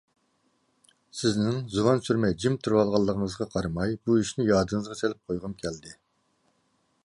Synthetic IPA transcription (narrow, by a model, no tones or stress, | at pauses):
sɪznɪŋzuwɑnsyɾmɛd͡ʒimt̪ʰuɾwɑlˠʁɑlˠːəʁəŋəzʁɑqʰɑɾmɑjbuiʃnɪjɑːd̪əŋəzʁɑt͡ʃ̪ʰelɪp̚qʰojʁəmkʲʰɛld̪ɪ